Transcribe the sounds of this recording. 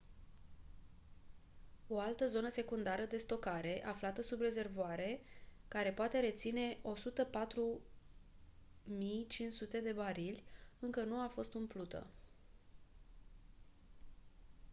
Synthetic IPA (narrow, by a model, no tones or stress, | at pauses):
o̞alt̪əzo̞nəse̞kund̪aɾəd̪e̞st̪o̞kaɾe̞ʔaflat̪əsubre̞ze̞rvoaɾe̞kaɾe̞poat̪e̞ɾe̞t̪sine̞o̞sut̪əpat̪ɾu | mijt͡ʃint͡ʃsut̪e̞d̪e̞baɾilʲɨŋkənuafo̞st̪ɨmplut̪ə̰